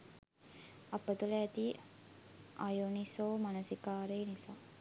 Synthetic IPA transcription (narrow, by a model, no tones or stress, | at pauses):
apət̪uləæt̪i | ʔajunisoːmanəsikaːɾeːnisaː